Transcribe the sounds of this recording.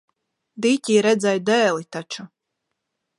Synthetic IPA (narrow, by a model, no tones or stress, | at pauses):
d̪icʲiːɾɛd̪zɛjd̪ɛːlˠit̪at͡ʃu